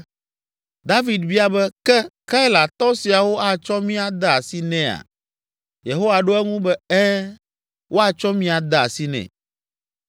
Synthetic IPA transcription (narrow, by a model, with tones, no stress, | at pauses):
d̪a˦vi˨d̪bi˦a˨bɛ˦kɛ˦ka˦jla˨t̪ɔ˦si˨a˨wo˦ʔa˦˨t͡ʃɔ˦mĩ˦a˨d̪a˦a˨si˦nɛ̃˦a̰˨ | je˨ɦo˦wa˨ɖo˦ɛ˦ŋũ˦bɛ˦ɛ˦ | wʔo˦a˨t͡ʃɔ˦mĩ˦a˨d̪a˦˨a̰˨si˦nɛ̰̃˨